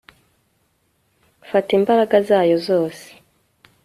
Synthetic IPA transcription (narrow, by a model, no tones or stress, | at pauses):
fatiːmbaɾaɡazaːjo̞zo̞ːse̥